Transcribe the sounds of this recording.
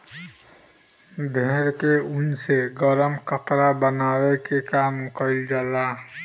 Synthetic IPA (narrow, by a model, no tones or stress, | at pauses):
d̪ʱeːɾkeʊnseɡəɾəmkəpɾabənaːwekekaːmkəɪld͡ʒalaː